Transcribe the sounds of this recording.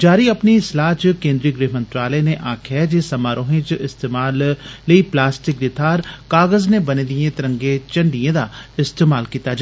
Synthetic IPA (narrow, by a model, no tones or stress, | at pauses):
d͡ʒaːɾiɐpniɪslaːt͡ʃkẽːnd̪ɾiɡɾeːɦmə̃nt̪ɾaːləneʔaːkʰɛd͡ʒesɐmaːɾoːɦẽt͡ʃʔɪst̪eːmaːlːəiːplaːsʈɪk̚d̪ɪt̪ʰaːɾkaːɣəznebɐned̪iẽt̪ɪɾə̃ŋɡet͡ʃɐ̃ɳɖijẽd̪aɪst̪eːmaːlkiːt̪ad͡ʒ